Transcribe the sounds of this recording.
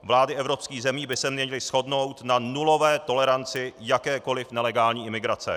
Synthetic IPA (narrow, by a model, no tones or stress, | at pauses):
vlaːdɪʔɛvɾo̞pskiːɣzɛmiːbɪsɛmɲɛɲɪlɪsxo̞dno̞wt̪nanulo̞vɛːt̪o̞lɛɾant͡sɪjakɛːko̞lɪfnɛlɛɡaːlɲiːʔɪmɪɡɾat͡sɛ̰